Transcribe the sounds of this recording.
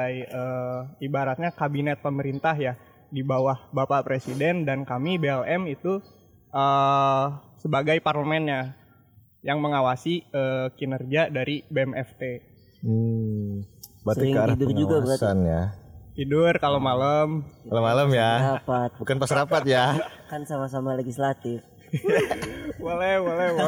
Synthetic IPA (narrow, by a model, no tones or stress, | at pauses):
ajəːibaɾat̪̚ɲakabinɛt̪̚pəməɾint̪aɦja | dibawahbapapɾesidɛndankamibeɛlɛmit̪u | ʔə | səbaɡajparləmɛnɲa | jaŋməŋawasiəːkinərd͡ʒiadaɾibeɛmɛft̪e | bat̪ikaɾadʊrd͡ʒuɡabəkasanjat̪idʊrkalomaləmkalomaləmjaapat̪̚bukanpasəɾapat̪̚jakansamasamaleɡislat̪ɪf | bolɛhbolɛ